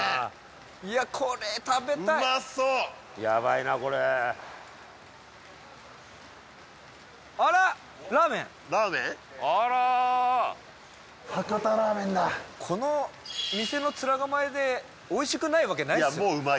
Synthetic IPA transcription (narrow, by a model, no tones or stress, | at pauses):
iakʰoɾet̪abe̞aimaso | ja̰βainako̞ɾe | aɾa | ɾaːmẽ | ɾaːmẽ | aɾa | hakat̪aɾaːmẽnd̪akʰo̞nomʲise̞no̞t͡sɨɾaɡamaed̪e̞ | oiɕi̥kɯ̟naiβake̞naijamoɯma